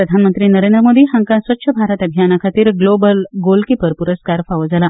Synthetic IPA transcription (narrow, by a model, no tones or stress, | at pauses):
pɾəd̪ʱanmənt̪ɾiːnəɾend̪ɾəmod̪iːɦãŋkãsʋət̪ːɕʰəbʱaɾət̪əbʱijanakʰat̪iːɾɡlobəlɡolkiːpəɾpuɾəskaɾfaʋəd͡zala